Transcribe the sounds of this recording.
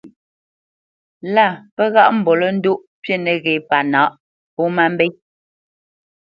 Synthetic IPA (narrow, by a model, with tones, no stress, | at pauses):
la˦˨pɛ˦ɣa˦ʔm̩˨bɔ˨lə˦n̩˦du˦ʔ | pje˦nɛ˨ɣe˨pa˨na˨˦ʔ | po˦ma˦m˦be˦j